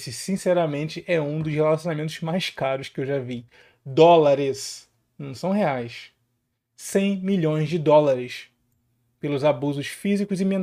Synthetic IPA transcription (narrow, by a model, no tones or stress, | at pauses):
sɪsĩsɛɾɐmẽnt͡ʃɪʔɛũd̪ʊshelasjõnamẽnt̪ʊzmajskaɾʊskɪewʒavi | d̪ɔlaɾɪs | nɐ̃w̃sɐ̃w̃ɦeajs | sẽj̃miʎõj̃zd͡ʒɪd̪ɔlaɾɪs | pelʊzabuzʊsfizikʊzɪmẽn